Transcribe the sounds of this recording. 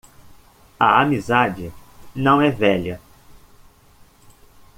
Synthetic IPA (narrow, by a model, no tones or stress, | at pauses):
ɐamizad͡ʒɪnɐ̃w̃ɛvɛʎɐ